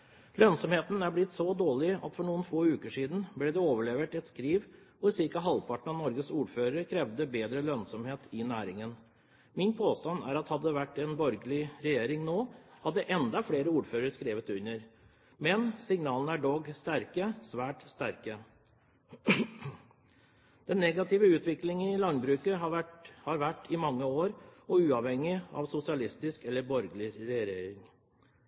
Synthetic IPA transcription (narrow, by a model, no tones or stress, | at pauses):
lœnsɔmheːt̪n̩æɾblɪt̪ːsɔd̪oːɭɪɑ̰t̪fɔɳuːənfoːʉːkəʂiːd̪n̩blɛːd̪ɛoːʋəɭeːʋəʈɛt̪skɾiːʋ | ʊsɪɾkɑɦɑlpʰɑʈɳ̩ɑnɔɾɡəsuːɾføːɾəɾkʰɾɛʋd̪əbeːd̪ɾəlœnsɔmheːt̪ʰɪnæːɾɪŋən | mɪnpʰoːst̪ɑnæ̰ɾɑt̪hɑd̪ːəd̪ɛʋæʈːɛnbɔɾɡəlɪɾɛjeːɾɪŋnoːhɑd̪ːəʔɛnd̪ɑfleːɾəuːɾføːɾəɾskɾeːʋət̪ʉɲəɾ | mɛnsɪŋnɑːlənəæɖɔɡst̪æɾkəsʋæːʈst̪æɾkə | d̪̥ɛnːɛɡɑt̪ɪːʋəʉːt̪ʋɪklɪŋən̩ɪɪlɑnbɾʉːkəhɑɾʋæʈːɪmɑŋːəoːɾɔʉːɑʋhɛŋːɪɑ̰ʋsʊsɪɑlɪst̪ɪskɛlːəɾbɔɾɡəlɪɾɛɾeːɾɪŋ